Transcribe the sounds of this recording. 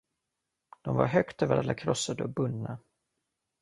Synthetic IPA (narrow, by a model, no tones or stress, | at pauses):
d̪̥ɔmva̰ɾɦœkt̪ɛvəɾa̰lːakʰɾɔsːad̪əɔbɵnːa